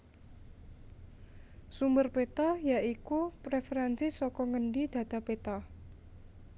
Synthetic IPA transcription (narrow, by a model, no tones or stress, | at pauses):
sumbərpet̪ɔjaʔikupɾefeɾansɪsɔkɔŋəɳɖid̪̥ä̤d̪̥a̤pet̪ɔ